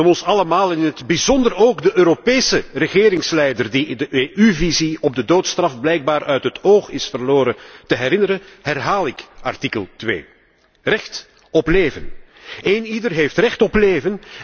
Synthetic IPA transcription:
ɔmɔnsɑləmaːlɪnɪnɦədbizɔndəroːɡdəʔøːɾopeːsərəɣɪːɾɪŋslɛjdərdiɪndəʔeːʔyviziɔb̚dədoːtstrɑfblɛjɡ̚baːɾœɥtɦətoːxɪsfərloːɾətəɦɛɾɪnəɾəɦɛrɦaːlˠɪkɑ̰rtikəlˠtʋḛː | rɛxt | ɔpleːvən | eːnidərɦeːftrɛxtɔpleːvən

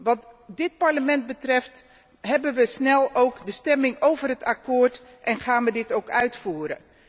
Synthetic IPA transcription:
ʋɑtdɪt̚paɹləmɛnt̚bətrɛft | ɦɛbənʋəsnɛlˠowkdəstɛmɪŋowvərɦətakoːrt | ʔɛnχaːnʋədɪtowkœɥtfuːɾə

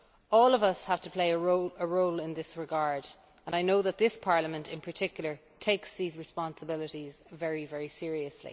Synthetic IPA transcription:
ɔːlʌvʌshav̥tʰəpʰl̥eɪəɹoʊəɹoʊlɪ̃nðɪsɹɪɡaɹd | ə̃naɪnoʊðət̪̚ðɪspʰɑɹləmə̃ntɪ̃npʰə˞tʰɪkjl̩ˠə˞ | tʰeɪksðiːzɹɪspɑ̃nsəbɪlɪɾizvɛɹivɛɹisɪɹiəslḭ

